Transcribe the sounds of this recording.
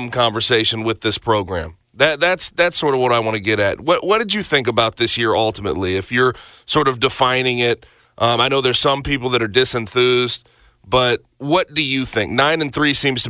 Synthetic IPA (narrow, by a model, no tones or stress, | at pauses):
mkʰɑ̃ɱvə˞seɪʃɨ̃nwɨðɪspʰɹ̥oʊɡɹæ̰̃m | ðɨt̪̚ðætsðætsɔɹɾʌvwʌɾaɪwɑ̃ñɨɡɛɾɨ̰t̚wʌʔwʌt̚d̥ɨd͡ʒɨθɪ̃ŋkɨbaʊt̪̚ðɪsjɪɹʌlˠtəmə̰tˡliɨfjə˞sɔɹɾʌvdɨfãɪ̃nɪ̃ŋɪt̚ | ʔʌaɪnoʊðə˞z̥sʌ̃mpipl̩ˠðɨɾə˞dɪsɨ̃nθʉz | b̥ʌt̚wʌt̚d̥ɨjɨθɪ̃ŋk̚nãɪ̃nɨ̃nθɹisĩmz̥tʰə